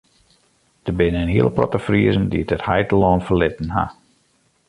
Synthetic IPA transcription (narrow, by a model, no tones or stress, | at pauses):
d̥əbɪnəɪnɦiəlˠprɔ̰təfriəzəndiətəthɛjtəlɔːnfərlɪtn̩ha̰